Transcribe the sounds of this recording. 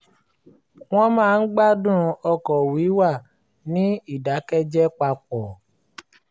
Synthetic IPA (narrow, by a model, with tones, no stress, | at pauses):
w̃ɔ̃˦mãː˦˧n̩˦ɡ͡ba˦dũ˦ɔ˧kɔ˨wi˨˦wa˦˨ | nĩ˦i˦˨da˨˦kɛ˦d͡ʒɛ˦k͡pa˧k͡pɔ˨